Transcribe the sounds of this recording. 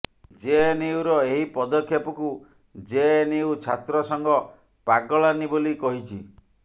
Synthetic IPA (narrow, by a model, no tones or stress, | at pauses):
d͡ʒeniwɾɔeɦipɔd̪ɔkʰːjɔpɔku | d͡ʒeniwt͡ʃʰa̰t̪ɾɔsɔŋɡɔ | paɡɔɭanibolikɔɦit͡ʃʰi